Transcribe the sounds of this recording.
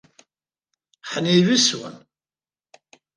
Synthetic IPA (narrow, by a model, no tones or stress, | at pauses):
ħəniviswə̰n